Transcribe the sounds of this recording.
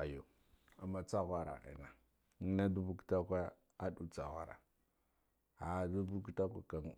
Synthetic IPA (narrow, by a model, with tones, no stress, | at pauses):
a˨jo˨ | a˨ma˨t͡sa˦ɣʷa˦ɾa̰˨ʔa̰˨na˨ | i˦na˦du˦bu˦kta˦kʷa˦ | a˦du˦t͡sa˨ɣʷa̰˦˨ɾa̰˨ | a˨du˦bu˦ki˦ta˦kʷa˦ka˨ŋ˨